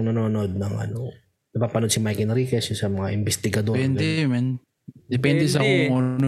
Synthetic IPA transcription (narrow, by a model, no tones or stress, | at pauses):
ŋnɐnoːnoʔod̪̚nɐŋʔɐ̰no | nɐpaːpɐnod̪̚sɪmajkɛnɾiːkɛssɐmɐŋaʔɪmbɛst̪ɪɡɐd̪opɛndd̪ɛmɐn | d̪ɛpɛnd̪ɛsɐkoŋono